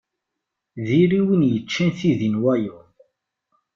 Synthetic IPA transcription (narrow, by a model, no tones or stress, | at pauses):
ðiɾiwinjət͡ʃːənθiðinwæjʊ